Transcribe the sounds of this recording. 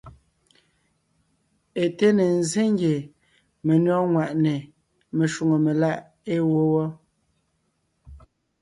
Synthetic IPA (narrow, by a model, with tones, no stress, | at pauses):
e˨te˦ne˨n˨ze˦ŋ˦ɡje˨ | me˨nɥɔ˦ŋwa˨ʔne˨ | me˨ʃu˨ŋo˨me˨la˦ʔ | e˦wo˦wɔ˦